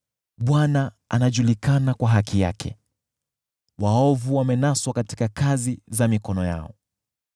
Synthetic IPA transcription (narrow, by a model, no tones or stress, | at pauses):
ɓwana | a̰naʄulikanakwaɦakija̰kʰɛ̰ | waɔvuwamɛnaswakati̥kakazizamikɔnɔja̰ɔ